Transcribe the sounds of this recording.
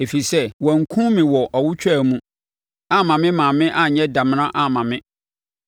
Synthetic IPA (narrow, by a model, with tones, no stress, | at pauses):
e˨fi˨sɛ˦wɔ˨ŋ̩˨kʰũ˦mɪ̃˨wɔ˨ʔɔ˨wʊ˦t͡ɕʰᶣɛ˦˨mũ˦ | a˦mã˨mɪ̃˦mãː˨mɪ̃˦ʔa˦ɲ˨ɲɛ̃˦da˨m˨nã˦ʔa˦˨mã˨mɪ̃˦